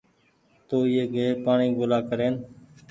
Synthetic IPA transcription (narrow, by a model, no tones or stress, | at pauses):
t̪oːɪːeːɡeːpaːɳiːɡoːlaːkəɾeːn